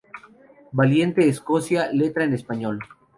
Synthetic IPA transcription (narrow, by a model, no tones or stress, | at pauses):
balje̞nt̪eːskosjalet̪ɾaenespaɲo̞l